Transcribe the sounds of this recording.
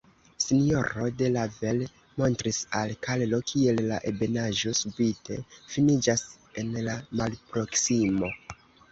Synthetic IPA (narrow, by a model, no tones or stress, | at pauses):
sinijo̞ɾo̞de̞lavel | mo̞ntɾisalkallo̞kʰie̞lːa̰ʔebe̞naʒo̞subite̞̰finid͡ʒas | e̞nlamalpɾo̞ksimo̞